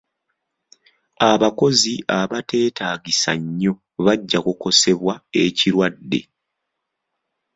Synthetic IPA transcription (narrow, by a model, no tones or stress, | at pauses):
aβako̞ziaβate̞ːtaːɡisaɲːo̞ | βaɟːakuko̞se̞βwae̞ciɾwadːe̞̰